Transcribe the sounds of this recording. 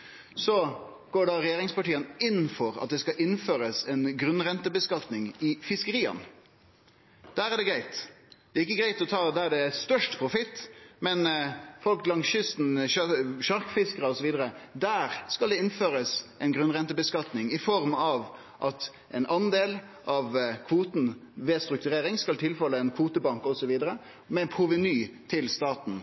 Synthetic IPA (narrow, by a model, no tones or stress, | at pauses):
sɔ | ɡ̥oːɖɑɾɛjeːɾɪŋspɑʈiːənɪn̩ːfɔɾɑ̰t̪̚d̪ɛskɑʔɪnːføːɾəsɛnɡɾʉnʁɛnt̪əbəskɑt̪nɪŋɪfɪskəɾiːɑ̰n | d̪̥æːɾæɖɛɡɾæɪt̪d̪ɛːɪkːəɡɾæɪt̪ɔt̪ʰɑːd̪æɖɛæst̪œʂʈpʰɾʊfɪt̪ːmɛnfɔlklɑŋɕʏst̪n̩ | ʃɑɾkfɪskəɾəɔsɔʋiːd̪əɾəd̪æːɾskɑld̪ɛɪnføːɾəsʔɛɪnɡɾʉnʁɛnt̪əbəskɑt̪nɪŋɪfɔɾmɑʋ | ʔɑt̪ | ʔɛɪnɑnd̪eːl | ʔɑʋkʰʋuːt̪n̩ʋeːst̪ɾʉk̚t̪ʉɾeːɾɪŋskɑlt̪ʰɪlfœlːəɛnkʰʋuːt̪əbɑŋkɔsɔʋiːd̪əɾə | mɛnpʰɾʊʋɛnyːt̪ʰɪlst̪ɑːt̪n̩